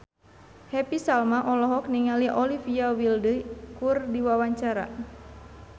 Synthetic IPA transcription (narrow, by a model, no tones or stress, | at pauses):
hɛpisalmaʔɔlɔɦɔk̚niŋaliʔɔlifiawildəkurdiwawaɲt͡ʃaɾa̰